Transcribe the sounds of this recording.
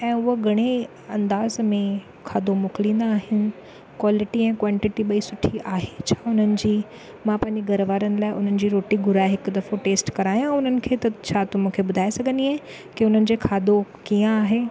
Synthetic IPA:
ɛ̃ːʊɦɡʱɐɽ̃e | ɐ̃nd̪aːzmẽ | kʰaːd̪omʊklĩːnd̪aːɦɪnɪ̆ | kwaːlɪʈiɛ̃ːkwãːɳʈɪʈiɓɐisʊʈʰiʔaːɦet͡ɕʰaːʊn̤ənɪ̆d͡ʑiː | mãpãːɦɪ̃ɲd͡ʑeɡɐɾʋaːɾənɪ̆laːɪʔʊn̤ənɪ̆d͡ʑiːɾoːʈiɡʱʊɾaːɪɦɪkʊd̪ɐfoʈeːsʈkɐɾaːijãʊn̤ənɪ̆kʰeːt̪ɐt͡ɕʰaːt̪ʊmũːkʰebʊd̪ʱaːesɐɡʱə̃nd̪iɦaɦ | kiʊn̤ənɪ̆d͡ʑeːkʰaːd̪okijãaːɦeː

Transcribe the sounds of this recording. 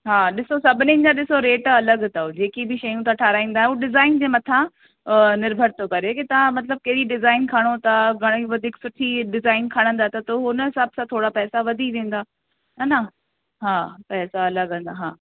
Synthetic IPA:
ɦaːɗɪsosɐbʱɪnĩɪnd͡ʑaɗɪsoɾeːʈɐləɡt̪ɐod͡ʑeːkibɪʃɐjũt̪ʰãʈʰaːɾaːĩːn̆d̪aːɦɦuɗɪzaːɪnd͡ʑeːmɐt̪ʰã | nɪɾbʱəɾt̪okɐɾekit̪ɐʋ̤ãmɐt̪̬ləb̚kɐɾiɖɪzaːɪnkʰɐɽ̃ot̪ɐɡʱɐɽ̃iʋɐd̪ʱiːksʊʈʰiɖɪzaːɪnkʰɐɽ̃ə̃nd̪aːt̪ɐt̪oɦʊnɦɪsaːbsãt̪ʰoːɽapɛːsaʋɐd̪ʱiʋẽːn̆d̪aː | ɦɐna | ɦaːpɛːsaɐləɡɦə̃n̆d̪aɦaː

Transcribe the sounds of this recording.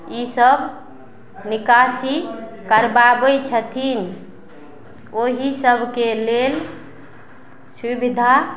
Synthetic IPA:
isəb | nikasi | kəɾbabət͡ʃʰət̪ʰin | oɦisəbʱkelel | subid̪ʱa

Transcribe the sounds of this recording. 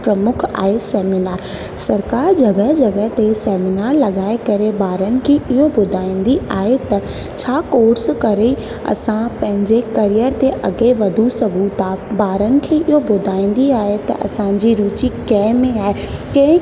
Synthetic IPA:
pɾɐmʊkʰa̰ːɦesɛːmɪnaːɾ | sɐɾkaːɾd͡ʑɐɡəɦd͡ʑɐɡəɦt̪esɛːmɪnaːɾlɐɡaːekɐɾebaːɾənɪ̆kʰeɪɦobʊd̪ʱaːĩːnd̪iaːɦet̪ɐ | t͡ɕʰaːkoːɾskɐɾei | ɐ̰sãpɐ̃ɦɪ̃ɲd͡ʑekɐɾijəɾt̪eʔɐ̰ɡeʋɐd̪ʱusɐɡʱũt̪aːbaːɾənɪ̆kʰeʔɪɦobʊd̪ʱaːĩːn̆d̪iaːɦet̪ɐ̰ʔɐ̰sãd͡ʑiɾuːt͡ɕikɛ̃ːmẽaːɦe | kɛ̃ː

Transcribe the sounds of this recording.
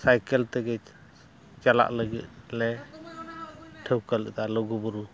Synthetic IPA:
sajkɛlt̪ɛɡɛ | t͡ʃala̰ʔləɡḭt̪̚lɛ | ʈʰəwkəlɛt̪alɔɡubuɾu

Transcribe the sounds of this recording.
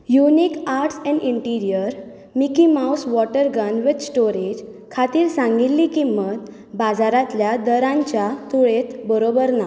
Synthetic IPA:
junikaɾʈsɛ̃ɳɖiɳʈiɾijəɾ | mikimawsʋɔʈəɾɡənʋet̪sʈoɾed͡ʑ | kʰat̪iːɾsãŋɡilːikimət̪ | bad͡zaɾat̪ljad̪əɾãɲt͡ɕjat̪uɭet̪bəɾobəɾna

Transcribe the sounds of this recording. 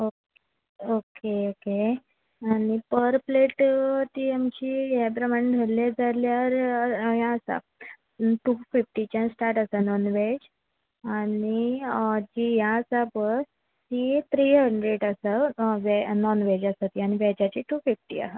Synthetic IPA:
ok | okeoke | aɽ̃ipəɾpleʈt̪iamt͡ɕijɛp̬ɾəmaɳɖʱəɾled͡zaɾljaɾjaəsa̰ | ʈufifʈit͡ɕãsʈaɾʈəsanɔnʋed͡ʑ | anɽid͡ʑijasapəɾ | t̪it̪ɾiɦəɳɖɾeʈəsəʋɛnɔnʋed͡ʑəsət̪iañiʋɛd͡ʑat͡ɕiʈufifʈia̰ɦa

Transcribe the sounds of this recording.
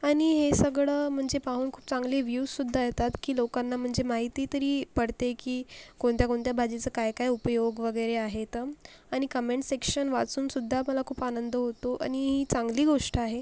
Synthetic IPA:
aɽ̃iɦesəɡɭəːm̤əɳd͡zepaɦuːnkʰuːp̚t͡saŋɡliːʋjussud̪ʱːajet̪at̪kiːlokanːam̤əɳd͡zemaɦit̪iːt̪əɾiːpəɽt̪ekiːkoɳt̪jakoɳt̪jabʱad͡ʑet͡səːkajkajupəjoɡʋəɡəjɾeaɦet̪ə | aɽ̃ikəmeɳʈsekʂənʋat͡suːnsud̪ʱːaməlakʰuːpanənd̪əɦot̪oʔa̰ɽ̃iɦiːt͡saŋɡliːɡoʂʈəaɦe

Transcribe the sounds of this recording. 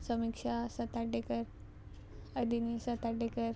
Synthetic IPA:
səmikʂasət̪aɖekəɾ | əd̪inisət̪aɖekəɾ

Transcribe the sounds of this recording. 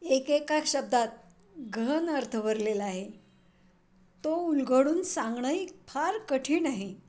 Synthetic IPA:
ekekakɕəb̚d̪at̪̚ | ɡʱənəɾt̪ʰəʋəɾlelaɦe | t̪oulɡəɽuːnsãŋɡɳəjpʰaɾkəʈʰiːnaɦi

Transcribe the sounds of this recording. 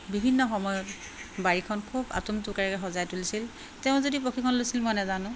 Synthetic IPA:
bibʱinːɔxɔmɔjɔt | baɹikʰɔnkʰuba̰tumtukɛɹɛkɛxɔzajtulisil | tɛʊ̃zodipɹokʰikʰɔnlojsilmɔjnɛzanʊ̃

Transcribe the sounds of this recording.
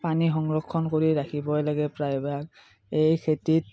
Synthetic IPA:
panixɔŋɹɔkʰːɔnkoɹiɹakʰibɔjlaɡɛpɹajbɛak̚ | ejkʰetit̚

